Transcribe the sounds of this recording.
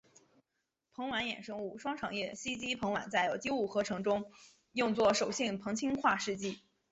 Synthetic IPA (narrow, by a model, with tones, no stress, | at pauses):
pʰɤ˧˥ŋwa˧˥njɛ̰˨˩nʂɤ˥ŋu˥˩ʂwɑ˥ŋʈ͡ʂʰɑ˨˩ŋjɛ˥˩ɕi˥t͡ɕi˥pʰɤ˧˥ŋwa̰˨˩nt͡sa˥˩ɪjo˨˩ʊt̪i˥u˥˩xɤ˧˥ʈ͡ʂʰɤ˧˥ŋʈ͡ʂʊ˥ŋ | jʊ˥˧ŋt͡swɔ˥˩ʂo˨˩ʊɕi˥˩ŋpʰɤ˧˥ŋt͡ɕʰi˥ŋxwa˥˧ʂɻ̩˥˧t͡ɕi˥˩